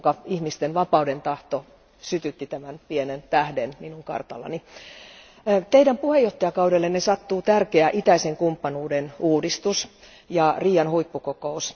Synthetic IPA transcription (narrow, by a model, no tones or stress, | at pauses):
kɑihmist̪enʋɑpɑudent̪ɑht̪o | syt̪yt̪ːit̪æmænpienent̪æhdenminuŋkɑ̰rt̪ɑ̰lːɑ̰ni | t̪eidæmpuhejoht̪ːɑjɑkɑudelːennesɑt̪ːuːt̪ærkeæʔit̪æiseŋkumpːɑnuːdenuːdist̪us | jɑriːjɑnhuipːukokous